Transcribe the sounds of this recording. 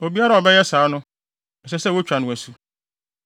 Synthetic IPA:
o˨bi˦a˦ɾa˦˨ɔ˨bɛ˦jɛ˦saː˨˦nʊ̃˦ | ɛ˨sɛ˦sɛ˦wo˦t͡ɕᶣa˨nʊ̃˦˨æ˨su˦

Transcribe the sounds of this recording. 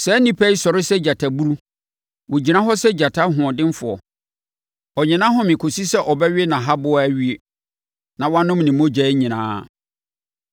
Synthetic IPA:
sɛ˨˦nĩ˦pʰæ˦i˦sɔ˨ɾɪ˦sɛ˦d͡ʑa˨tʰa˨bu˦ɾu˦ | wʊ̃˨d͡ʑi˨nã˦ɦɔ˦sɛ˦d͡ʑa˨tʰa˦ɦʊ̃˨ɔ̃˨dɪ̃˦m˦fʊ˨ɔ˨ | ɔ˨ɲɪ̃˨nã˦ɦʊ̃˦mɪ̃˨kʰo˨si˦sɛ˦ʔɔ˨bɛ˦ɥɪ˦nã˨ɦa˦bʊ˦æ˦ɥi˦e˨ | nã˨wã˦nʊ̃˦mnɪ̃˨mõ˦d͡ʑɛ˨ɪ˦ɲĩ˨nã̰ː˦

